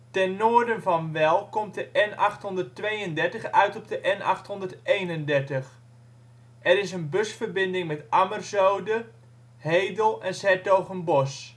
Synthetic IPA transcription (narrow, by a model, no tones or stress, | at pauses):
tɛnːoːɹdənvɑnʋɛlˠkɔmtdəʔɛnɑxtɦɔndərtʋejəndɛɹtəxœɥtɔb̚dəʔɛnʔɑ̰xthɔndərteːjnəndɛɹtəx | ʔɛɾɪsənbøsfərbɪndɪŋmɛtʔamərzowdə | hejdəlˠɛnsɛtowχənbɔs